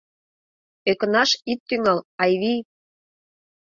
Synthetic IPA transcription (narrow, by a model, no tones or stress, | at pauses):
økə̆nɑʃit̪ːyŋɑlɑjβij